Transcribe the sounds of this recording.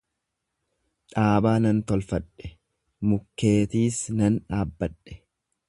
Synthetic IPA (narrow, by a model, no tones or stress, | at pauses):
ᶑaːbaːnɐnt̪ɔlfɐᶑːɛ̥ | mʊkːe̞ːt̪iːsnɐnᶑaːbːɐᶑːɛ̥